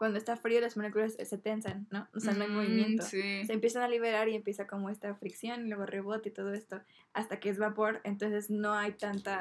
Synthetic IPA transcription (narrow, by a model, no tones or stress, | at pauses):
kwand̪oest̪afɾiolazmonekulasːe̞t̪e̞nsanːo̞oseano̞ajmo̞β̞imje̞nt̪t̪osiseːmpje̞s̬analiβe̞ɾaɾie̞mpje̞sako̞mo̞e̞st̪afɾiksjo̞nilweɣore̞β̞o̞t̪eit̪o̞ð̞o̞e̞st̪o̞ | ast̪ake̞ezβapo̞ɾe̞nt̪o̞nse̞zno̞ajt̪ant̪a